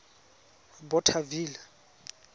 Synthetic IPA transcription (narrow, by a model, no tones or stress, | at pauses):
bɔtʰaviːla